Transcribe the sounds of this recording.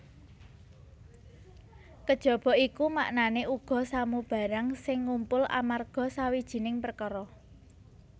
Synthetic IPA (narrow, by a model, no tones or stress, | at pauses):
kəd̥ʒ̥ɔ̤b̥ɔ̤ʔikumaʔnaneʔuɡ̥ɔ̤samub̥a̤ɾaŋsɪŋːumpʊlʔa̰marɡ̥ɔ̤sawid̥ʒ̥i̤nɪŋpərkɔɾɔ